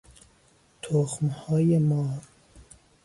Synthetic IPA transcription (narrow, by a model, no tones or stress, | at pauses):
t̪ʰoxmhɔːjemɒːɾ